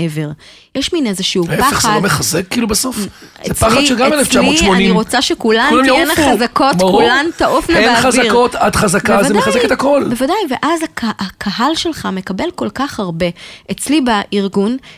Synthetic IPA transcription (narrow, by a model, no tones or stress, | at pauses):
eveʁ | jeʃminezeʃiuepeχadlomeχazekːiːlubaso̞f | eepaχadʃelɡammeleft͡ʃamlmoiʃoniiʁot͡saʃekulaamjoenaχazakotkulant̪aʔofnabaazaiʁo̞t̪adχazakaezvademeχazeket̪ako̞lbevadajveʔazakaːkʰaɦalʃelχamekabe̞lko̞lkaχhaʁbe̞ʔet͡slibaiʁɡun